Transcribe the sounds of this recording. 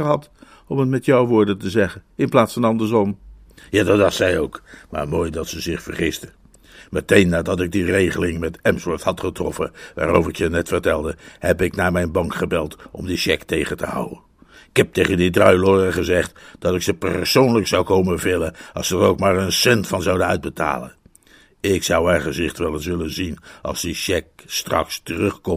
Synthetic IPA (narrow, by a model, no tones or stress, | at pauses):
əɦɑt | ɔmət̚mɛtjɔwʋʊːɹdəntəzɛχənɪnplaːtsfɑnɑndəɹzɔm | jaːdɑtdɑχtsɛjowkma̰ːɹmoːjdɑtsəzɪχfəɹχɪstə | mətejnːaːdɑtɪɡ̚direjχəlɪŋmɛtɛmsʋɪthɑtχətrɔfə̰ʋa̰ːɾo̰wvəɹɪkjənɛtfərtɛlˠdəhɛpɪknaːɹmɛjnbɑŋkχəbɛlˠtʔɔ̰mdiʃɛktejχəntəɦʌ̰wə̰n | ɪkɦɛp̚tejχəndidrœɥlʊdəχəzɛχtd̥ɑtɪksəpə̰ɹsownləksɑwkowməvɪlənɑ̰lˠsədərowkmaːɹənsɛntfɑnzɑwdənœɥd̚bəta̰ːlə̰n | ɪksʌwɛɹχənsɪχtʋɛlˠəns̬ʋɪlənzinʔɑ̰lˠzdiʃɛk̚strɑ̰kstərɵχkɔm